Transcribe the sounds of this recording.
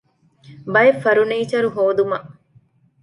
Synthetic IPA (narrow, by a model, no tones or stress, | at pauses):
bɐjefːɐɾuneːt͡ʃɐɾuɦoːd̪umɐʔ